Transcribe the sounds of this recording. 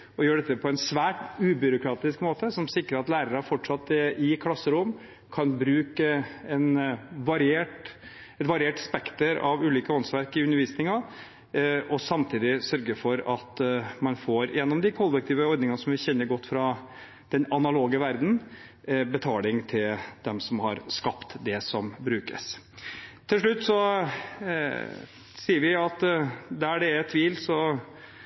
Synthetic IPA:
ɔjøːɖɛt̪ːəpʰɔɛnsʋæːʈʉːbʏɾʊkʰɾɑːt̪ɪskmoːt̪əsɔmsɪkːɾəɾɑt̪læːɾəɾəfɔʈʂɑt̪ːɛɪkʰlɑsːəɾʊm | kʰɑnbɾʉːkəɛnʋɑɾɪeːʈ | ɛt̪ʋɑɾɪeːʈspɛkt̪əɾɑ̰ʋʉːliːkəɔnsʋæɾkɪʉnːəɾʋiːsnɪŋɑ | ɔsɑmt̪ʰiːd̪ɪsœɾɡəfɔɾɑt̪mɑnfoːɾjɛnːɔmd̪ɪkʰɔlːɛk̚t̪ʰiːʋəɔɾd̪nɪŋɑsɔmʋɪçɛnːəɾɡɔt̪ːfɾɑ | d̪̥ɛnɑnɑloːɡəʋæɾd̪n̩ | bɛt̪ʰɑːlɪŋt̪ʰɪld̪̥ɛmsɔmhɑɾskɑpt̪d̪ɛsɔmbɾʉːkə̰s | t̪ʰːɪlʂ̬ɭʉt̪ːsɔ | siːəɾʋɪɑt̪d̪æɖɛɾɛt̪ʰːʋiːlsɔ

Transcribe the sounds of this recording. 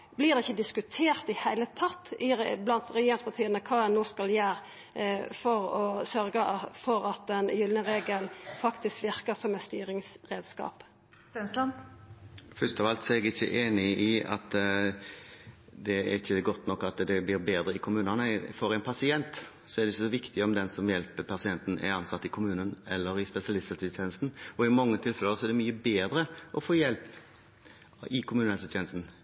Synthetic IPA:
blɪːʁd̪ɛɪçːəd̪ɪskʉt̪ʰeːʁt̪ɪhæɪlət̪ʰɑt̪ːɪblɑnt̪ɾɛjeːɾɪŋspʰɑt̪ʰiːənəkʰɑːɛnːoːskɑljæːɾ | fɔɾɔsœɾɡəfɔɾɑt̪ɛnjʏlnəʁeːɡəlfɑkt̪ɪskʋɪʁkəsɔmɛt̪st̪yːɾɪŋsʁeːd̪skɑ̰ːp | ɛnslɑn | fœst̪ɔʋɑlt̪sɔɛɡɪçːə̰ʔeːnɪɪɑ̰t̪ | d̪ɛ̰ɾɪçːəɡɔt̪ːnɔkːɑt̪d̪ɛblɪːɾbeːd̪ɾəɪkʰʊmʉːnɑnəfɔɾæɪnpʰɑsɪɛnt̪ | sɔɛɾd̪ɛɪçːəsɔʋɪkt̪ɪɔmd̪ɛnsɔmjɛlpəpʰɑsɪɛnt̪n̩ʔæ̰ɾɑnsɑt̪ːɪkʰʊmʉːnənɛlːəɾɪspɛsɪɑlɪst̪ɑsɪt̪ʰjɛːnəst̪n̩ɔɪmɑŋːət̪ʰɪlfɛləsɔɛɖ̪ɛmyːəbeːd̪ɾəʔɔfoːjɛlp | ɪkʰʊmʉːnɛlsət̪ʰɛːnəst̪n̩

